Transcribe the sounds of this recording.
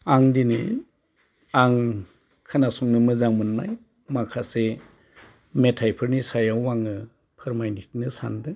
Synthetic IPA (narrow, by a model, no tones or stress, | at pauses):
aŋdinɯ̰ | aŋ | kʰanasɔŋnɯmɯzaŋmɯnːaj | makʰase | metʰajpʰɯɾnisajawːaŋɯ | pʰɯɾmajndik̚nɯsa̰ndɯ